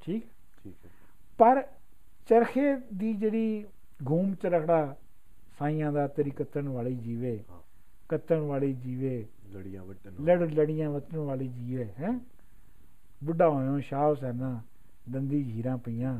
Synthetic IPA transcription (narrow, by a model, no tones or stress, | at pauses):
ʈʰiːkɛː | pəɾ | t͡ʃəɾkʰeːd̪iːd͡ʒeːɽiː | ɡʱuːmt͡ʃəɾəkʰɽaː | saːɪ̃ːãːd̪aːt̪əɾiːkət̪əɳʋaːliːd͡ʒiːʋeː | kət̪əɳʋaːleːd͡ʒiːʋeː | ləɽləɽɪjãːʋət̪əɳʋaːliːd͡ʒiːʋeːɦɛ̃ː | bʊɖaːɦõːõːʃaːʋsɛːnãː | d̪ənd̪iːd͡ʒʱiːɾãːpəiːjãː